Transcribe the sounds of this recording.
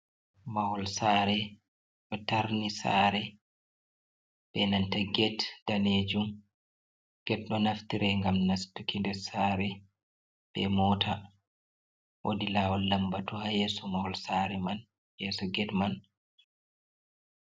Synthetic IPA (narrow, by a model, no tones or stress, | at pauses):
mawɔlsaːɾɛ | ɗɔtaɾnisa̰ːɾɛ | b̥ɛnantaɡɛtd̥aned͡ʒum | ɡ̥ɛtɗɔnaftiɾɛŋɡamnasdukʰindɛsaːɾɛ | b̥ɛ̰mɔːtʰa | ʔo̰dilaːwɔlːambatuhajɛːsɔmawɔlsaːɾɛman | jɛːsɔɡɛdman